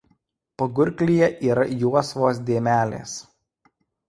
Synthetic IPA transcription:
pɐɡʊɾʲklʲijɛʔiːɾɐjuɔsʋoːs̬d̪ʲeːmʲæːlʲḛːs

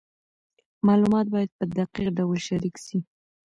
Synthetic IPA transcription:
mɑlumɑt̪̚bɑjad̪̚pəd̪aqiqɖawəlʃaɾikʃi

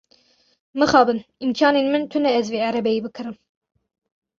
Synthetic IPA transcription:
mɨxɑːbɨninkʰɑːneːnmɨnt̪ʰɨnɛɛzveːʕæɾɛbɛjiːbɨkʰɨɾɨm

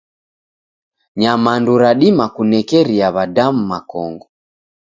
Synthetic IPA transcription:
ɲamanduɾaɗimakunɛkɛɾiaβadam̩makɔŋɡɔ

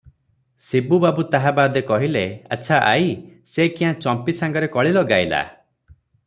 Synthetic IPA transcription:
sibubabut̪aɦabad̪ekɔɦileaːt͡ʃʰaʔajsekiɦãt͡ʃɔmpisaŋɡɔɾekɔɭilɔɡajla̰

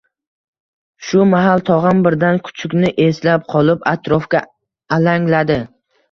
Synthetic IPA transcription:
ʃʊmaɦalˠt̪ʰɒʁɑnbɪɾd̪ankʰʊ̥t͡ʃʰʊkʲnɪʔe̞slap̚qʰɒlˠɪpat̪ɾɒfkʲaː | laŋlad̪ɪ

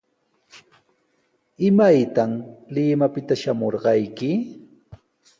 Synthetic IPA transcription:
ɪmajt̪amlɪmapɪt̪aʃamoɾɢɑjkɪ

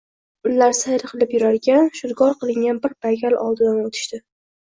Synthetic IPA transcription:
ʊlːaɾsajɾɨqʰɨlˠɪpjʊɾaɾɡʲanʃʊd̪ɡɒɾqɨlˠɪŋɡʲanbɪɾbaɡʲalʔɒ̰lˠd̪ɪd̪anot̪ʰɪ̥ʃt̪ɪ

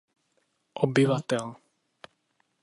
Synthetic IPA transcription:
ʔɔbɪvat̪ɛl

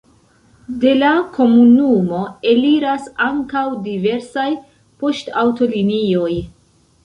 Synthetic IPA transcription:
de̞lakʰo̞munumo̞e̞liɾasaŋkawdive̞ɾsaj | po̞stawto̞linio̞j

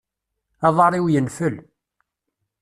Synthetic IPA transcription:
ɑðˤɑɾˤiwjənfəl

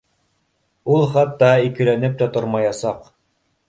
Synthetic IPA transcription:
ulˠχɑt̪ːɑikɘ̆lænɘp̚t̪ot̪ɤ̆ɾmɑjɑsɑq

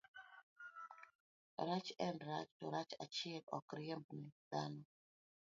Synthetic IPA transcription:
ɾat͡ʃɛndɾa̰t͡ʃtɔɾat͡ʃa̰t͡ʃɪɛlɔ̰kɾɪembnɛd̪̥anɔ

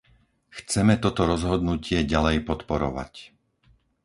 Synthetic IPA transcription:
xt͡sɛmɛt̪ɔt̪ɔɾɔzɦɔd̪nucɪɛɟalɛjpɔt̪pɔɾɔ̰ʋa̰c

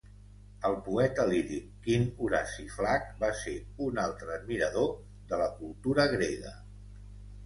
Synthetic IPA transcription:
əlˠpuɛt̪əliɾikːinuɾasiflak̚baseunalˠt̪ɾəːd̪̚miɾəðo | ðələkulˠt̪uɾəɣ̞ɾeɣə̰

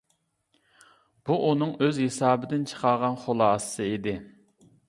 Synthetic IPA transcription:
b̥uʔunɨŋøzhesɑːbɪd̪ɪnt͡ʃʰə̥qʰɑɾʁɑnχolˠɑːsːɨid̪ɪ

